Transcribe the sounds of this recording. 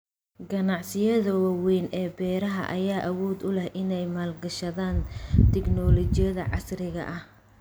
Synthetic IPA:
ɡɐnɑʕsɪjɐðɐwɑːwɛjnɛːbɛːɾɐɦɐ̰ʔɐjaːʔɐwɔːd̪ʊlɛhʔɪnɛjmaːlɡɐʃɐðaːnt̪ʰɪɡnɔːlɔt͡ʃɪjɐðɐʕɑ̰srɪɣɐ̰ʔɐh

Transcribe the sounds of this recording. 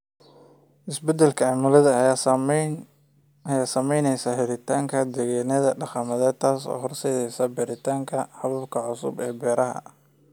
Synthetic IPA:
ʔɪsbɛd̪ɛlkʰɐɑːmʊlɐðɐ | ɐjaːsɐmɛjnɛjsɐhɪɾɪt̪ʰaːŋkʰɐd̪ɛɣaːnɐðɐɖɑχɐmɐðɛːd̪̚t̪ʰaːsɔ̰ːɦɔrsɛːðɛjsɐbɛɾɪt̪ʰaːŋkʰɐhɐβɐb̚kʰɐʕʊsʊ̰bɛːbɛːɾɐɦɐ̰

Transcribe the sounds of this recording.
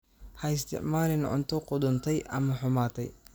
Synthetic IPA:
hɐɪs̬t̪ʰɪ̰ʕmaːlɪnʕʊ̰nt̪ʰɔqʊd̪ʊnt̪ʰɛjʔɐ̰mɐħʊmaːt̪ʰɛj

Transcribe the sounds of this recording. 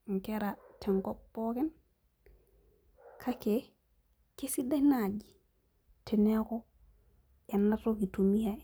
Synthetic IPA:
ŋkeɾateŋkopːoken | kʰake | kesidanaɟi | tʰeneko | enːatokitumija

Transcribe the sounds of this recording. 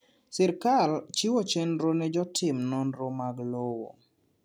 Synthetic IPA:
sɛɾkalt͡ʃiwot͡ʃɛnɾonɛd͡ʒɔtʰɪmnɔnɾomaɡlowo̰

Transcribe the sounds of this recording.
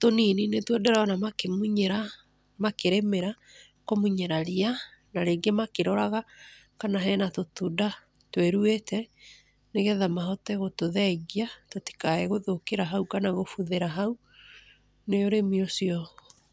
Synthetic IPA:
tonininetwɛdɛɾaɔnamakemuɲɛɾa | makeɾemeɾa | komuɲɛɾaɾianaɾeɡemakeɾɔɾaɣa | kanaɦɛnatotuda | tweɾuetɛ | neɣɛðamaɦɔtɛɣotoðɛɣiatoti̥kaɛɣoðokeɾaɦaukanaɣofuðeɾaɦau | neoɾemiosiɔ

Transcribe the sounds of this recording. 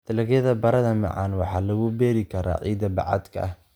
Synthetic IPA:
t̪ʰɐlɐɣjɐðɐbɐɾɐðɐmɑ̰ʕɑ̰ːnwɑħɑːlɐɣʊbɛːɾɪkʰɐɾʔa̰ːʕḭːd̪ɐbɑ̰ʕɑ̰d̪kʰɐ̰ɐh

